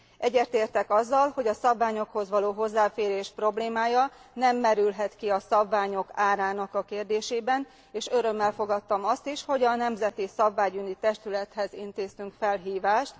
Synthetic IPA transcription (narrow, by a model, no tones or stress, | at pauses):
ʔɛɟːɛrt̪eːrt̪ɛkɒzːɒlho̞ɟɒsɒbvaːɲo̞kho̞zʋɒloːɦo̞zːaːfeːɾeːʃpro̞bleːmaːjɒnɛmːɛɾylɦɛt̪kiɒsɒbvaːɲo̞kaːɾaːnɒkɒkeːrd̪eːʃeːbɛn | eːʃø̞ɾø̞mːɛlfo̞ɡɒt̪ːɒmɒst̪iʃho̞ɟɒnɛmzɛt̪isɒbvaːɟynit̪ɛʃt̪ylɛt̪hɛzint̪eːst̪yŋkfɛlɦiːvaːʃt̪